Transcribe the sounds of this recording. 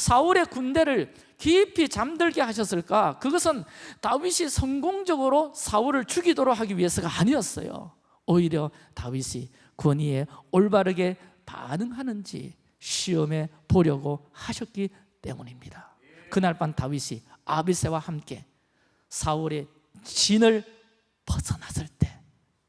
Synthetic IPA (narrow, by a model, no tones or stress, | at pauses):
sʰaɯɾe̞kunde̞ɾɯɭ | kiːpʰit͡ɕamdɯɭɡe̞haɕ̬ʰʌs͈ɯɭk͈akɯɡʌsʰɯntawiɕʰisʰʌŋɡoŋd͡ʑʌɡɯɾosʰauɾɯɭt͡ɕuɡidoɾokɦaɡiɥie̞sʰʌɡaaɲiʌs͈ʌ̰jo̰ | oiɾjʌ | tawiɕʰi | koɲie̞oɭbaɾɯɡe̞ | pa̰nɯŋɦanɯnd͡ʑḭ | ɕʰiʌme̞ | poɾjʌɡohaɕʰʌk̚k͈i | t͈e̞̰muɲimɲid̥a | kɯnaɭp͈antawiɕʰiabisʰe̞wahamk͈e̞ | sʰauɾe̞ | t͡ɕinɯɭ | pʌsʰʌnas͈ɯɭt͈e̞